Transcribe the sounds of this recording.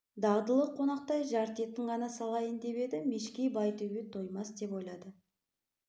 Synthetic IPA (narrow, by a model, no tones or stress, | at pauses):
d̪ɑʁd̪əlˠəqʰːo̞nɑq̚t̪ɑjʒɑɾt̪e̞t̪ɪɴʁɑnɑsɑlˠɑjənd̪e̞pe̞d̪ɪmeʃkʲejbɑjt̪ʰɵɡʲet̪ʰo̞jmɑsd̪e̞po̞jlˠɑd̪ə